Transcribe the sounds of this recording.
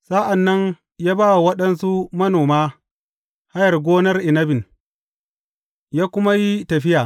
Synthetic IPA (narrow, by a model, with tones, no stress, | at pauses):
sa˦ʔa˨nːɐ˦n | jaː˦baː˦wa˨wɐ˦ɗɐ˦nsu˦mɐ˦noː˨maː˦ | ha˦jɐ˨rɡʷoː˦nɐ˦rʔɪ˨nɐ˦bɪ˨n | jaː˦kʷʊ˦ma˦ji˦tɐ˨ɸɪ˦jaː˨